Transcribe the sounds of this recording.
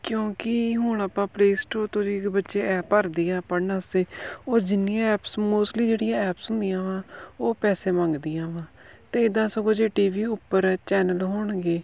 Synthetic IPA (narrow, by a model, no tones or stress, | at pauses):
kjõːkɪɦʊɳəpãːpleːsʈoːt̪oiːbətːʃeːʔɛːpəɾd̪iːaːpənəseːoːd͡ʒɪnɪjãːɛːpsmoːsʈliːd͡ʒeːɽɪjãːɛːpsɦʊ̃nd̪ɪjãːʋãːoːpɛːseːmãːŋɡd̪ɪjãːʋãː | t̪eːɪd̪ãːsəɡõːd͡ʒeːʈiːʋiːʊpːəɾt͡ʃɛːnəlɦoːɳɡeː